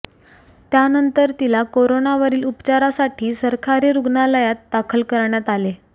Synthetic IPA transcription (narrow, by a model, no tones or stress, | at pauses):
t̪janənt̪əɾt̪ilakoɾonaʋəɾiːlupt͡ɕaɾasaʈʰiːsəɾkʰaɾiɾuɡnaləjat̪̚d̪akʰəlkəɾɳjat̪ale